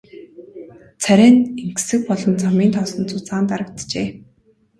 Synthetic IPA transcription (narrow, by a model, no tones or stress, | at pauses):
t͡sʰæɾʲæːneŋksɘ̆k̚pɔɮɞ̆nt͡samiːnt̪ʰɔsɞ̆nt͡sʊt͡saːnt̪aɾə̆k̚t̪t͡ɕeː